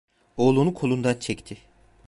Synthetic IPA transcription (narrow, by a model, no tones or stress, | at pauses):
oːlˠunukʰo̞lˠund̪ant͡ʃʰɛct̪ʰɪ